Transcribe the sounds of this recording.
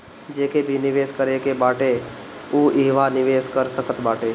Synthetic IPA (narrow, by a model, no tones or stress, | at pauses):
d͡ʒeːkebʱinɪʋeːskəɾekebaːʈe | uːʔɪɦʋanɪʋeːskəɾsəkət̪baːʈeː